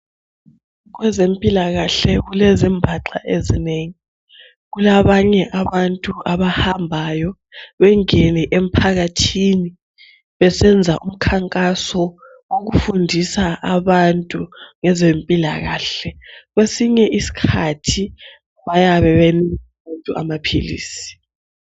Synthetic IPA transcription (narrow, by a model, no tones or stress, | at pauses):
ɣwɛzempʼilaɣaɬɛɣulɛzimbʱaǁa̰ʔezineŋi | ɣulaβaɲɛʔaβantʼuʔaβahambʱajɔ | βɛŋɛnɛʔem̩pʰaɣatʰini | βɛsɛnd͡zʱaʔum̩kʰaŋkʼasɔ | woɣufundʱisaʔaβantʼuŋɛzempʼilaɣa̰ɬɛɣesiɲɛʔisi̥kʰatʰi | βajaβɛβeniaβantʼuʔa̰mapʰḭlḭːsi̥